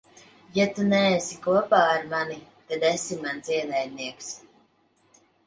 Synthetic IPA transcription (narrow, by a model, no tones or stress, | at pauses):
jat̪unɛːsikuɔpaːɾmanit̪ad̪ɛsimanzʲiɛnɛjd̪̚niɛks